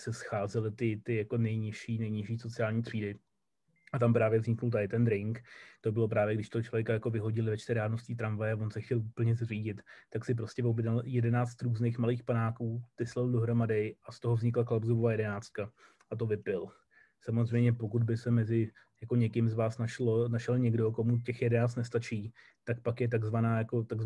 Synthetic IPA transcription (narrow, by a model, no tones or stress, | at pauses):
sɛsxaːzɛlɪt̪ɪt̪ɪjako̞nɛjɲɪʃiːnɛjɲɪʃiːso̞t͡sɪaːlɲiːt̪r̝̥iːdɪ | ʔat̪ampɾaːvjɛvzɲɪknult̪aɪt̪ɛnd̪ɾɪŋkt̪obɪlo̞pɾaːvjɛɡdɪʃt̪oot͡ʃlo̞vʲjɛkajako̞vɪɦo̞ɟɪlɪvɛt͡ʃt̪ɪɾaːdno̞sciːt̪ɾamvajɛavo̞nsɛxcɛluːpl̩ɲɛzr̝iːɟɪt̪ːaksɪp̬ɾo̞scɛvobdaljɛdɛnaːt͡st̪ɾuːzneːxmaliːxpanaːkuːt̪ɪslɛldoɦɾo̞madɪʔast̪oɦo̞vzɲɪklaklabzovovaːjɛdɛnaːt͡st̪̚ka | ʔat̪̬ovɪpɪl | samozrɛjmɲɛpo̞kud̪̚bɪsɛmɛzɪ | jako̞ɲɛkɪmzvaːsnaʃlonaʃɛlɲɛɡdoko̞mucɛxjɛdɛnaːt͡st̪nɛst̪at͡ʃiː | t̪akpakjɛt̪̬aɡzvanaːjako̞t̪aɡz